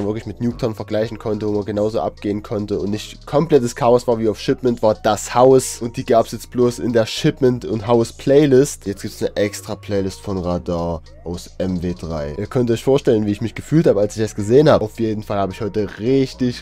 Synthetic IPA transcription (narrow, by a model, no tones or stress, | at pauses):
anvɪɐklɪçmɪtnjuːktʰɐnfɛɐɡlaɪçn̩kʰɔntəvoːmanɡənaʊzoːʔa̰p̚ɡ̥eːənkʰɔntəʊntnɪçtkʰɔmplɛtəskʰaɔsv̥aːɐviːaʊfʃɪpmɛntv̥aːɐd̥ashaʊsʔʊnt̚d̥iːɡaːpəsjɛt͡st̚b̥loːsɪ̰ndeːɐʃɪpmɛntʊntɦaʊspʰl̥ɛɪlɪstjɛt͡stɡ̥iːp̚tsnəʔɛkstʁ̥apʰl̥ɛɪlɪstfɔnʁadaːɐ | ʔaʊsʔɛmveːdʁaɪʔiːɐkʰœntɔʏçfoːɐʃtɛlənviːɪçmɪçɡ̥əfyːlthaːbəalsɪç̥asɡ̥əzeːənhaːbəʔaʊfjeːdn̩falhaːbəɪçhɔʏtəʁɪçtɪç